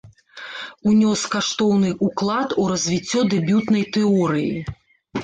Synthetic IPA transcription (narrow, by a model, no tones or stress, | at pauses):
unʲɔskaʂt̪ɔwnɨʔuklˠat̪uɾɐzʲvʲit͡sʲːɔd̪ɛbʲjut̪nɐjt̪ɛɔɾɨjḭ